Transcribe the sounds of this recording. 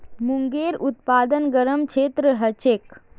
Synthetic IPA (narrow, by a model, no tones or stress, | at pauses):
muŋɡeːɾʊt̪̚paːd̪ənɡəɾəmkʰeːt̪ɾəɦɐt͡ʃeːk